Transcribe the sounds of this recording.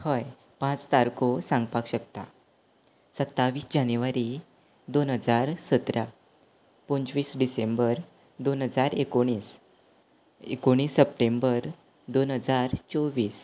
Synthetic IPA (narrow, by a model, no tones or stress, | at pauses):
həj | pãt͡st̪aɾkosãŋɡpakɕək̚t̪a̰ | sət̪ːaʋiːsd͡ʑanjuʋaɾi | d̪onɦəd͡zaɾsət̪ɾa | pənd͡zʋiːsɖisembəɾ | d̪onɦəd͡zaɾekoɽ̃iːs | ḛkoɽ̃iːsːəp̚ʈembəɾ | d̪onɦəd͡zaɾt͡soʋiːs